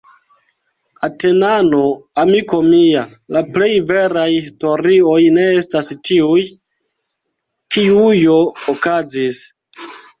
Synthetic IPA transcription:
ate̞nano̞amiko̞mialaple̞jve̞ɾajhhisto̞ɾio̞jne̞estastiuj | kʰiujo̞ːkazis

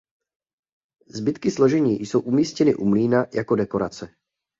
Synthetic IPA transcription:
zbɪt̪kɪslo̞ʒɛɲiːjso̞wʔumiːscɛnɪʔumliːnajako̞dɛko̞ɾat͡sɛ

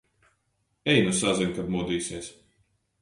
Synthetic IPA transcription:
ɛjnusazɛŋʲkab̪mud̪iːsiɛs

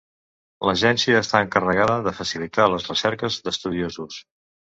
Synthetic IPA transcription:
ləʒɛnsiəːst̪aəŋkərəɣ̞aðəðəfəsilit̪aləzrəsɛɾkəzðəst̪uðiozus

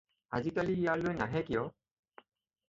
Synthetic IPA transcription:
a̰zitaliːjaɹlojnaɦɛkijɔ

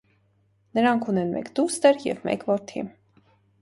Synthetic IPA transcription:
nəɾɑŋkʰunɛnmɛ̰kd̪ust̪əɾjɛ̰vmɛ̰kvɔɾt̪ʰḭm

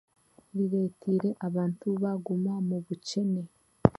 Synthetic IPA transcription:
ɾiɾe̞ːtʰiɾe̞ʔaβaːntuβaɡumamuβuce̞ne̞

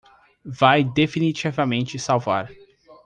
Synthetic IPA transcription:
vajd̪efinit͡ʃivɐmẽnt͡ʃɪsawva̰ɾ

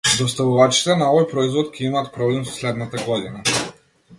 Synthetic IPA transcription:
d̪ɔst̪avuvat͡ʃi̥t̪ɛnaɔvɔjpɾɔizvɔt̪cʲʰɛimaːt̪̚pɾɔblɛmsɔ̥slɛd̪nat̪aɡɔd̪ina

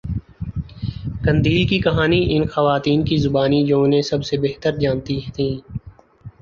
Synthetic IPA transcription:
kɐ̃nd̪iːlkikɐɦaːniʔɪnxɐʋaːt̪iːnkizʊbaːnid͡ʒõːnẽsɐbsebeːɦt̪əɾd͡ʒaːnt̪iɦt̪ʰĩː

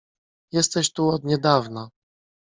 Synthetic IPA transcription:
jɛst̪ɛɕt̪uɔd̪ɲɛd̪avna

